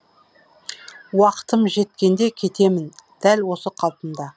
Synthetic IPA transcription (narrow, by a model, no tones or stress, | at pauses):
wɑqə̥t̪əmʒe̞t̪kʲe̞nd̪e̞kʲʰe̞t̪e̞mɪnd̪̥ælwo̞səqʰɑlˠpənd̪ɑ